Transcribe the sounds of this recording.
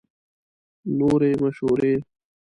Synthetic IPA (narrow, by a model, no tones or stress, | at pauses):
loːɾeːmɐɕoːɾeː